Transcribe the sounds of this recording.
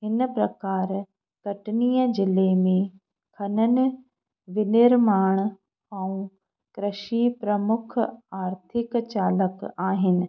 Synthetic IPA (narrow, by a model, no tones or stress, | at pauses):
ɦɪnpɾɐkaːɾ | kɐʈnijəd͡ʒɪlemẽ | kʰɐnənɪ̆ | ʋɪnɪɾmaːɳ̃ | ɐũ | kɾɪʃipɾɐmʊkʰaːɾt̪ʰɪkt͡ɕaːləkaːɦɪnɪ̆